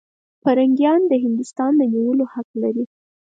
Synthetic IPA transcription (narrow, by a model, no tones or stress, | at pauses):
paɾaŋɡjɑnd̪əɦɪnd̪ʊst̪ɑnd̪əniwəlohaklaɾi